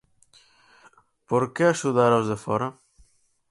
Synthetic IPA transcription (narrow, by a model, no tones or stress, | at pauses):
poɾkeaʃuðaɾawzðefɔɾɐ